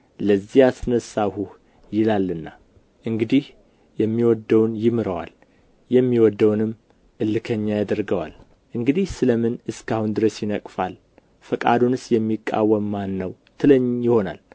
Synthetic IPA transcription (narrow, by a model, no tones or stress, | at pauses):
ləzːijasɨnəsːahuh | jɪlalːɨnːa | ʔɨŋɡɨd̪ih | jɛmːiwɔd̪ːəwnjɪmɨɾəwa̰l | jɛmːiwɔd̪ːəwnɨm | ʔɨlːɨkʰəɲːajad̪əɾɡəwa̰l | ʔɨŋɡɨd̪ihsɨləmɨnɨskʰahund̪ɨɾəsjɪnəkʼfal | fəkʼa̰d̪unɨsjɛmːikʼːa̰wəmːanːəw | t̪ʰɨləɲːjɪho̞na̰l